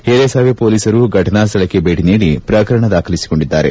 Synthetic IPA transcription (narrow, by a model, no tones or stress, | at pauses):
heːɾesaːʋepoːliːsɐɾuɡʱɐʈɐnaːs̬t̪ɐɭɐkːebeːʈiniːɽipɾɐːkɐɾɐɳɐd̪aːkʰɐlisi̥ko̞ɳɖid̪ːaːɾe